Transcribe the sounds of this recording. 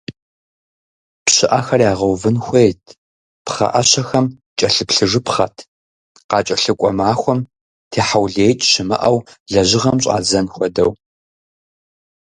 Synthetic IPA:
pɕɪʔɐxɐrjaːʁɐwvɨnxʷeːtʰ | pχɐ̰ʔɐɕɐxɐm | t͡ʃʼɐɬɨpɬɨʐɨpχɐ̰tʰ | qɑːt͡ʃʼɐɬɨkʷʼɔmaːxʷɔm | tʰeːħawɮeːjtʼɕɪmɨ̰ʔɐwɮɐʑɪʁɐmɕʼa̰ːzɐnxʷɔdɐ̰w

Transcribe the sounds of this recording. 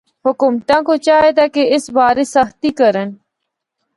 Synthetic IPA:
hʊkumt̪ãːkot͡ɕaːɦed̪aːkeɪsbaːɾesəxt̪ikəɾən

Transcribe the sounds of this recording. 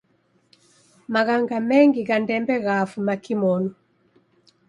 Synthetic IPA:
maɣaŋɡamɛŋɡiɣandɛmbɛɣafumakimɔnu

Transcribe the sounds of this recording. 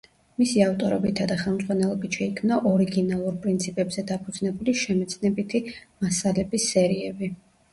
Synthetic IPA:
misiaft̪ʼɔɾɛ̰bit̪ʰad̪aχɛlˠmzʁwanɛlˠɔbit̪ʃɛikʰmnaʔɔɾiɡinalˠuɾpʼɾint̪sʰipʼɛbz̥ɛd̪apʰud̪z̥nɛbuliʃɛmɛt̪sʰnɛbit̪ʰimasalɛbisːɛɾiɛbi

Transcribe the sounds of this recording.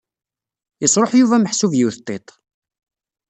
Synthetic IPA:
jəsˤɾˤoħjuvæməħsuvjiwθt̪ˤːet̪ˤ

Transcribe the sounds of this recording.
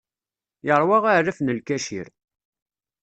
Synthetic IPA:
jəɾˤwɑʁarːafnəlkæʃḭɾ

